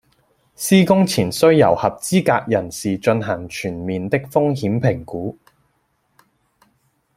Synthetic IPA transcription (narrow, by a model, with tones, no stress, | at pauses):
siː˥kʊ˥ŋt͡sʰiː˨˩nsɵ˥ɥjɐ˨˩whɐ˨p̚t͡siː˥kaː˧k̚jɐ˨˩nsiː˨t͡ʃɵ˧nɦɐ˨˩ŋt͡ʃʰyː˨˩nmiː˨nt̪ɪ˥k̚fʊ˥ŋhiː˨˥mpʰɪ˨˩ŋkuː˨˥